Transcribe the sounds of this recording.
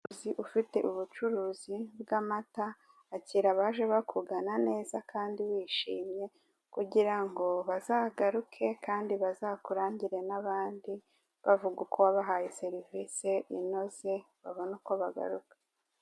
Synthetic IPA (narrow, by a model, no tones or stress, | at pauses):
ziʔufite̞ʔuβut͡ʃuɾuːzibɡamataː | ciɾaβaʒe̞βakʰuɡanane̞ːzakʰaːndiwiːʃiːmɲe̞ | kuɟiɾaŋɡo̞βazaːɡaɾukʰe̞kaːndiβazaːkuɾaːɲɟiɾe̞naβaːndi | βavuɡukʰowaβaɦajeseɾiviseʔino̞ze̞ | βaβo̞nukoβaɡa̰ɾukḁ